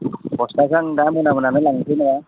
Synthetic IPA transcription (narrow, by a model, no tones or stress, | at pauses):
bɔst̪asaŋdamunamunamelaŋsinɾa